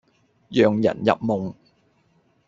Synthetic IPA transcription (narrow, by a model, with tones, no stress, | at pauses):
jœː˨ŋjɐ̰˨˩njɐ̰˨p̚mʊ˨ŋ